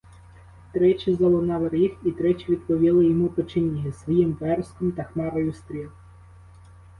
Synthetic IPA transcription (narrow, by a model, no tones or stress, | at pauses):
t̪ɾɛt͡ʃʲizɐlˠɔnɑʋɪɾʲixit̪ɾɛt͡ʃʲiʋʲid̪pɔʋʲilˠɪjɔmupɪt͡ʃɪnʲːiɦɪsʋɔjimʋɛrskɔmt̪ɐxmɑɾɔjʊst̪ɾʲil